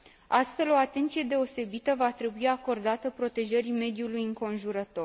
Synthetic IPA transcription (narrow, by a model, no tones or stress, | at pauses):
ast̪fe̞lo̞at̪e̞nt̪sije̞d̪e̞o̞se̞bit̪əvat̪ɾe̞buiako̞rd̪at̪əpɾo̞t̪e̞ʒəɾime̞d̪julujɨŋko̞nʒuɾət̪o̞r